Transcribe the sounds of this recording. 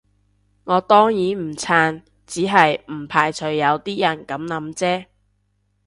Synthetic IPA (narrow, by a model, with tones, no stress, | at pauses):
ŋɔː˨˧t̪ɔː˥ŋjiː˨˥m̩˨˩t͡sʰaː˧n | t͡siː˨˥ɦɐ˨jm̩˨˩pʰaː˧jt͡sʰɵ˨˧ɥːɐ˨˧wt̪iː˥jɐ˨˩nkɐ˨˥mnɐ˨˧˥mt͡sɛː˥